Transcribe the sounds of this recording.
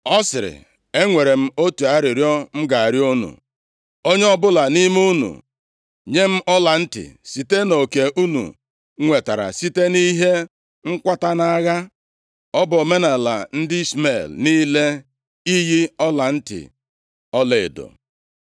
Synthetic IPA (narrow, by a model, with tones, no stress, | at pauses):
ɔ˦sɪ˨ɾɪ̰˨ | e˦ŋʷe˨ɾe˨m̩˦o˦tu˨a˦ɾɪ˨ɾjɔ˦m̩˦ɡa˨a˨ɾjo˦nṵ˨ | o˦ɲe˦ɔ˦bʊ˦la˨ni˦m˦u˦nṵ˨ | ɲe˦m̩˦ʔɔ˦la˨n̩˦tɪ̰˨si˨te˦no˨ke˨ʔu˦nṵ˨˦ | ŋʷe˨ta˨ɾa̰˨si˦te˦ni˦ɦe˦ | ŋ̩˦kʷa˦ta˦na˦ɣa˦ | ɔ˦bɔ˨me˦na˨la̰˨n̩˦dɪ˦sme˦˨lni˦le˦ | i˦ji˦ɔ˦la˨n̩˦tɪ̰˨ | ɔ˦le˨e˨do̰˨